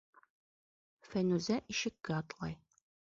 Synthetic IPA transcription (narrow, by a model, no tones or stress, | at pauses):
fænuzæʔiʃɘ̆kːæɑt̪lˠɑ̰j